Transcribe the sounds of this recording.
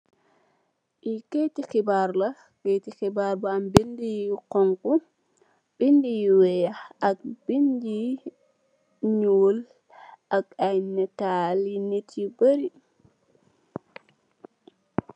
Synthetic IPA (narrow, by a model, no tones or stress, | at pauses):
ʔiketikibaɾla | ketikibaɾbaambindikɔŋku | b̥indijwɛjaak̚b̥ind͡ʒi | ɲol | ʔakajnːɛtalinetʰibəɾi